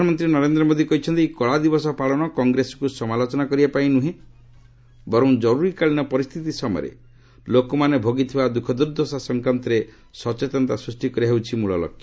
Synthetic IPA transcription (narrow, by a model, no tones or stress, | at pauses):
anɔmɔnt̪ɾinɔɾend̪ɾɔmod̪ikɔɦit͡ʃʰɔnt̪ikɔɭad̪ibɔsɔpaɭɔnɔkɔŋɡɾesɔ̥kusɔmalot͡ʃɔnakɔɾibapaĩnuɦẽ | bɔɾɔ̃w̃d͡ʒɔɾuɾikaɭinɔpɔɾist̪ʰit̪isɔmɔ̰j̰ɔ̰ɾḛ | lokɔmanebʱoɡit̪ʰibad̪ukʰɔd̪uɾd̪ʱɔsasɔŋkant̪ɔɾe | sɔt͡ʃet̪ɔnt̪asɾusʈikɔɾiɦewt͡ʃʰimuɭɔ̰lɔ̰kʰːjḁ